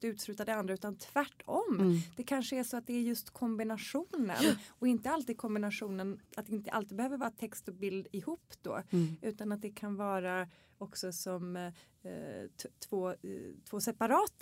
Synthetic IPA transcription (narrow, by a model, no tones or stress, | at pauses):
d̪ʉ̟t̪slʉ̟ːt̪ad̪əand̪ɾaʉːt̪ant̪ʰvæʈʰːɔmːd̪̥ɛkʰanʂəæʂɔat̪̚d̪ɛæɾjɵst̪kʰɔmbɪnaʂuːnə̰nɔɪnt̪əalt̪iːd̪̚kʰɔmbɪnaʂuːnənʔat̪̚d̪ɛɪnt̪əʔa̰lt̪iːd̪bɛhøːvəɾvɑːɾat̪ʰɛkst̪ɔbɪld̪ɪhuːpːd̪o̰ːʉ̟ːt̪anat̪̚d̪ɛkʰanvɑːɾa | ɔksɔsɔm | t̪t̪ʰv̥oːt̪ʰv̥oːsɛpaɾɑːt̪